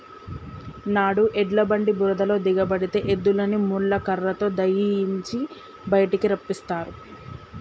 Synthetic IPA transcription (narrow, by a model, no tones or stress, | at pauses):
naːɽuʔɛɖlɐbɐɳɖibuɾɐd̪ɐlo̞ːd̪iɡɐbɐɽit̪e̞ːʔed̪ːulɐnimuɭːɐkɐɾːɐt̪o̞ːd̪ɐjiiɲt͡ʃi | bɐjɐʈikiɾɐpːist̪aːɾu